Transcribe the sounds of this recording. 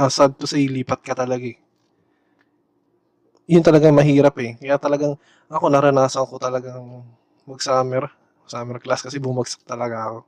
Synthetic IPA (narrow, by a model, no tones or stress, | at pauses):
asad̪̚kosɐiliːpɐt̪̚kɐt̪ɐlɐɡaɛ | jʊnt̪ɐlɐɡaŋmɐɦiːɾɐpɛkɐjat̪ɐlɐɡaŋ | ʔɐko̞nɐɾɐnaːsɐŋko̞t̪ɐlɐɡaŋ | mɐɡ̚saːmɛɾ | ɡsaːmɛɾklaskɐsɛbʊmɐɡ̚sɐ̥k̚t̪ɐlɐɡaɐko̞